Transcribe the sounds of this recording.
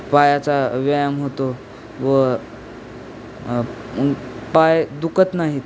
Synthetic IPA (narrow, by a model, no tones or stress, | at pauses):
pajat͡saʋajamɦot̪o | ʋə | pajd̪ukət̪naɦit̪